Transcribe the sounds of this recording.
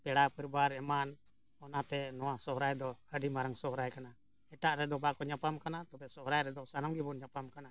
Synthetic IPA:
pɛɽapəɾbaɾɛman | ɔnat̪ɛnɔwasɔɦɾajd̪ɔəɖimaɾaŋsɔɦɾajkana | ɛʈaʔɾɛd̪ɔbakɔɲapamkanat̪ɔbɛsɔɦɾajɾɛd̪ɔsanaŋɡibɔnɲapamkana

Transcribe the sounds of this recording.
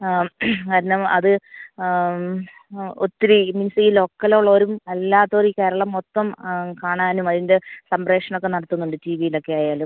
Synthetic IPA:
kaːɾɐnɐmɐðɨ | ot̪ːiɾiminisijilo̞ːkːɐloɭːɐoːɾumɐlːaːt̪ːoːɾike̞ːɾɐɭɐmːot̪ːɐmkaːɳaːnumɐðinde̞sɐmbreːkʂɐɳokːe̞nɐɽɐt̪ːunːuɳɖɨtiːʋijilo̞kːe̞aːjaːlum

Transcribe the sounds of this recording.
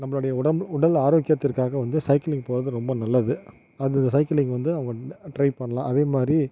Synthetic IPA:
nɐmːɐɭʊɽɐjɐʊɽɐʊɽɐlaːɾoːkɪjɐt̪ːɪɾkaːɣɐʋɐnd̪ɯsɐɪkɐlɪŋɡpoːɾɐðɯɾɔmbɐnɐlːɐðɯ | ɐðɯɪnd̪ɐsɐɪkɐlɪŋɡʋɐnd̪ɯɐʋɐŋɡɐʈɾɐɪpɐɳːɐlãːʔɐðeːmaːd̪ɾi

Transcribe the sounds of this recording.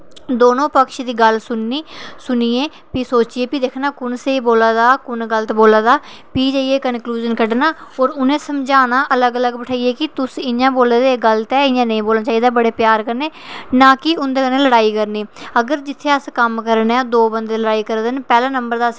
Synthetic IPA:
d̪oːnõːpəkʃd̪iːɡəlsʊnːiːsʊniːeː | piːsoːt͡ʃiːeːpiːd̪eːkʰnaːkʊnseːiboːlaːd̪aːkʊnɡəlt̪ːboːlaːd̪aː | piːd͡ʒaːieːkənkluːd͡ʒənkəɖnaːoːɾʊnẽːsəmd͡ʒaːnaːʔələɡələɡbəʈʰaːieːkɪt̪ʊsɪjãːboːlːd̪eɡəlt̪ɛːɪjãːnə̃ĩːboːlnaːt͡ʃaːiːd̪aːbəɽeːpjaːɾkəɾneːnaːkɪʊnd̪eːkənẽːləɽaːiːkəɾniːəɡəɾd͡ʒɪt̪ʰːeːəskəmkəɾnaːd̪oːbənd̪eːləɽaːiːkəɾd̪ənpɛːlaːnəmbəɾd̪aːs

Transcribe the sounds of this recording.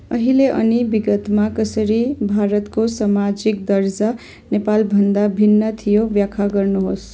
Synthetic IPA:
ʌɦileʔʌ̰nibiɡət̪makʌsəɾibʱaɾət̪kosamad͡ʒik̚d̪əɾd͡ʒa | nepalbʱənd̪abʱinːət̪ʰijobjakʰaɡəɾnuɦos

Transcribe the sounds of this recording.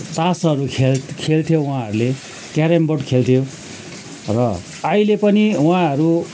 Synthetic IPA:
t̪ãsɦʌɾukʰelkʰelt̪ʰijowãɦʌɾule | kaɾembʌʈkʰelt̪ʰjo | rʌ | ajlepʌniwãɦʌɾu

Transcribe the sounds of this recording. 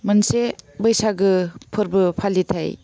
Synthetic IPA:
mɯnsebɯjsaɡɯpʰɯɾbɯpʰalːitʰaj

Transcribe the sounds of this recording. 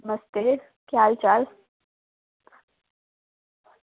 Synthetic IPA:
məst̪e | kjaːlt͡ʃaːl

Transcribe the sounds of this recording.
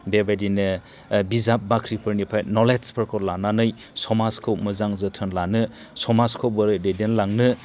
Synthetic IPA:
bebajdinɯ | bizap̚bakʰɾipʰɯɾnipʰajtnɔlespʰɯɾkʰolananɯj | sɔmaskʰɯwmɯzaŋzɯtʰɯnlanɯ | sɔmaskʰɯwbɯɾɯdejdenlaŋnɯ

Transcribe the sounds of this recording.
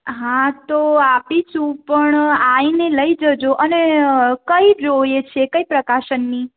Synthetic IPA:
ɦãt̪oapit͡ʃũpəɳaineləid͡ʒəd͡ʒoʔənekəiɾojet͡ʃʰekəipɾəkaʃənːi

